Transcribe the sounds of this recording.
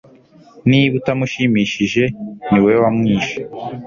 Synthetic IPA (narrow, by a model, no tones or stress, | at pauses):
niβutamuʃimiːʃiʒe̞niwewamŋiːʃe